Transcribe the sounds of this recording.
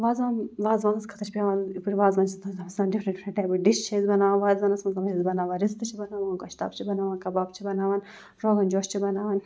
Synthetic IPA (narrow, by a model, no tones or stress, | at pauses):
ʋaːzaːnʋaːzʋãːnɐskʰɐ̥t̪ʰɐt͡ʃʰipʲaːʋaːnpuɾʲʋaːzʋaːnt͡ʃʰit̪ɐnzɐmɐsaːnɖifʰɾɐʈipʰnɐʈaːjbɐɖiʃt͡ʃʰɐizbɐnaːʋaːnʋaːzɐnɐsmɐzɐmɐʃʰzbɐnaːʋaɾizt̪ɐt͡ʃʰibɐnaːʋankɐʃt̪a̰ːbt͡ʃʰibɐnaːʋaːnkɐbaːbt͡ʃʰibɐnaːʋaːn | ɾoːɡɐnd͡ʒoːʃt͡ʃʰibɐnaːʋaːn